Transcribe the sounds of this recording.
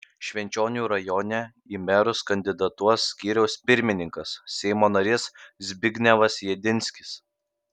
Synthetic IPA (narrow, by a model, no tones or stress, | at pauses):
ʃʲʋʲɛnʲt͡ʃʲoːnʲuːɾɐjɔːnʲɛ | iːmʲɛɾʊskɐnʲd̪ʲɪd̪ɐt̪uɔsːʲkʲiːɾʲɛʊspʲɪɾʲmʲɪnʲɪŋkɐsːʲɛɪmoːnɐɾʲɪszʲbʲɪɡʲnʲɛʋɐsjɛd̪ʲɪnʲsʲkʲɪ̥s